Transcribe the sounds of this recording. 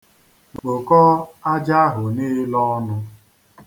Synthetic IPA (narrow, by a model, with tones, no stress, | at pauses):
ɡ͡bk͡po˨kɔ˦a˦d͡ʒa˦a˦ɦʊ˨nɪ˦lɔ˦nʊ˦